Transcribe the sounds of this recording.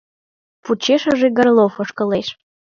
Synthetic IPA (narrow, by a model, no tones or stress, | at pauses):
put͡ɕeʃəʒeɡərlˠofəʃkə̆leʃ